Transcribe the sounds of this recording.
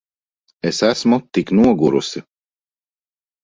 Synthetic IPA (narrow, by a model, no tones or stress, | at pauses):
esæsmut̪iknuɔɡuɾṵsʲi